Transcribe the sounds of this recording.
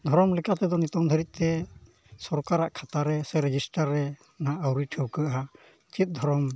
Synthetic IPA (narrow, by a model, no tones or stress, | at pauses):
d̪ʱɔɾɔmlɛkat̪ɛd̪ɔnit̪ɔŋd̪ʱəɾit̪̚ˀt̪ɛ | sɔɾkaɾaʔkʰat̪aɾɛsɛɾɛd͡ʒisʈaɾːɛ | naʔəwɾiʈʰəwkəʔa | t͡ʃit̪̚ˀd̪ʱɔɾɔm